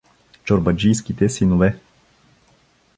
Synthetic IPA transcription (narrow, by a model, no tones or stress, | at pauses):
t͡ʃoɾbɐd͡ʒijskit̪ɛsinovɛ